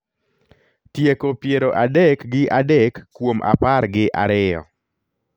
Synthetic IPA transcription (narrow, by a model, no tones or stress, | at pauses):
tjekopjeɾoʔadɛkɡɪʔadɛkːwomʔa̰parɡɪʔa̰ɾɪɔ̰